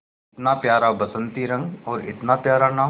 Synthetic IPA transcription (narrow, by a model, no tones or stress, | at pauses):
ɪt̪napjaːɾabɐsə̃nt̪iɾɐ̃ŋɡɔːɾɪ̰t̪napjaːɾana